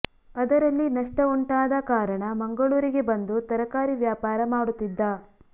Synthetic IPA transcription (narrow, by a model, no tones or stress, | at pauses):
ɐd̪ɐɾɐlːinɐʂʈɐuɳʈaːd̪ɐkaːɾɐɳɐmɐŋɡɐɭuːɾiɡe̞bɐnd̪ut̪ɐɾɐkaːɾiʋjaːpaːɾɐmaːɽut̪ːid̪ːɐ